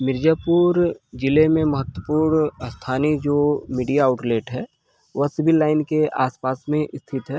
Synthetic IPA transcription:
mɪɾd͡ʒaːpuːɾd͡ʒɪlemẽməɦət̪wəpuːɾɳst̪ʰaːnid͡ʒoːmiːɖijaːʊʈleːʈɦɛː | ʋɐɦsɪbɪlːaːɪnkeaːspaːsmẽʔɪst̪ʰɪt̪ɦɛː

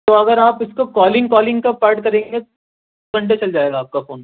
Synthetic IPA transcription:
t̪oɐɡəɾaːpɪskokɔːlɪ̃ŋɡkɔːlɪ̃ŋɡkapaːɾʈ̚kɐɾẽːŋɡet̪ | kɐ̃ɳʈ̬et͡ʃɐld͡ʒaːeːɡaːp̚kafoːn

